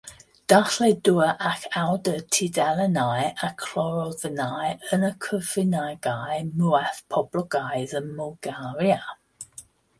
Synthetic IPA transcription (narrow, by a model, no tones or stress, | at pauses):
d̥aɬlɛduəʔakʰawdətʰidɛlənajʔakʰl̥ɔɹɔvənajənəkʰəvɪnaɡ̥ajmɛθpʰɔb̥lɔɡajðənmɔlˠɡaɾja